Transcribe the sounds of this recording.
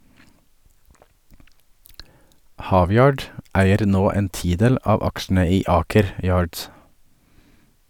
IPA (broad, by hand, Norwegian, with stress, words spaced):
ˈhɑːˌʋjɑːɖ ˈæɪəɾ ˈnoː ˈeːn ˈtiːˌdeːl ˈɑːʋ ˈɑkʃn̩ə ˈiː ˈɑːkəɾ ˈjɑːɖs